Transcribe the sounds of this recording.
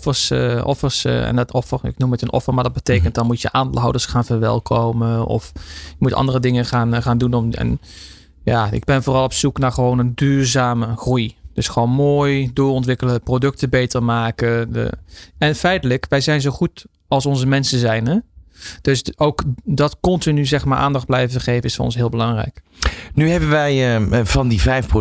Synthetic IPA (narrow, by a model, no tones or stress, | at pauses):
fəsʔɔ̰fəɹsɛ̰ndtɔfərɪ̰knumətənɔ̰fərmaɹdɑt̚bətejkənt̚dɑnmutjə̰ʔaːndelˠɦawdəɹsχaːnvəɹʋɛ̰lˠkʰowməɔ̰fjəmutʔɑ̰ndərədɪŋəχaːnχaːndunɔɛ̰n | jaːɪ̰ɡ̚bɛnvoːrɑlˠɔpsuknaːɹχəʋownəndyːrzaːməχrujd̥ɵsχʋownmoːjdʊːɹɔntʋɪkələprodɵk̚təbejtərmaːkə̰ | ɛnfɛjtələkʋɛjzɛjnzowχut | ɑlˠsɔnzəmɛnsəzɛjnɛd̥ɵsowkdɑtkɔntinyzɛxmaːɹʔa̰ːndɑχd̚blɛjvəəχeːvənɪsfɔ̰rɔ̰nsɦɪːlˠbəlɑŋrɛ̰jk | nyɦɛbənʋɛjəvɑndivɛjfpro